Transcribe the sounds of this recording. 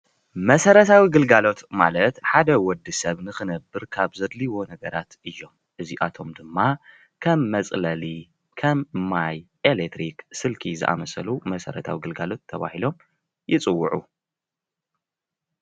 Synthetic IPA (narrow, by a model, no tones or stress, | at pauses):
mɐsɐɾɐt̪ʰawiɡɨlɡalo̞t̪ma̰lɐt̪ħad̪ɐwɔd̪ːisɐβnɨxɨnɐbːɨɾkʰaβzɐd̪liwo̞nɐɡɐɾat̪ʔɨjːo̞m | ʔɨziʔat̪ʰo̞md̪ɨmːa | kʰɐmːɐt͡sʼlɐli | kʰɐmmːajʔelet̪ɾiksɨlkʰizɨ̰ʔa̰mɐsɐlumɐsɐɾɐ̰t̪ʰa̰wiɡɨlɡalo̞t̪ʰːɐβa̰hilo̞m | jɪt͡sʼɨwːʊʕu